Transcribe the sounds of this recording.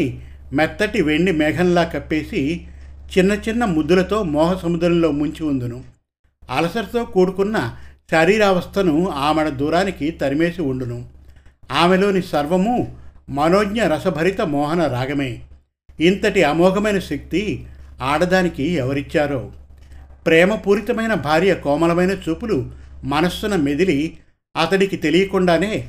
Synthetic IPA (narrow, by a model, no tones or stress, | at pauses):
i | mɛt̪ːɐʈiʋe̞ɳɖimɛːɡʱɐnlaːkɐpːe̞ːsit͡ʃinːɐt͡ʃinːɐmud̪ːulɐt̪o̞ːmɔːɦɐsɐmud̪ɾɐmlo̞ːmuɲt͡ʃiund̪unu | ɐlɐsɐɾɐt̪o̞ːkuːɽukunːɐʃɐɾiːɾaːʋɐst̪ʰɐnuaːmɛɽɐd̪uːɾaːnikit̪ɐɾime̞ːsiuɳɖunu | aːmelo̞ːnisɐɾʋɐmumɐnoːɡɲɐɾɐsɐbʱɐɾit̪ɐmɔːɦɐnɐɾaːɡʱɐmeː | int̪ɐʈiɐmɔːɡʱɐmɐjnɐʃɐk̚t̪iaːɽɐd̪aːnikiɛʋɐɾit͡ʃːaːɾoː | pɾɛːmɐpuːɾit̪ɐmɐjnɐbʱaːɾjɐkɔːmɐlɐmɐjnɐt͡ʃuːpulumɐnɐsːunɐmed̪ili | ɐt̪ɐɽikit̪e̞lijɐkuɳɖaːne̞ː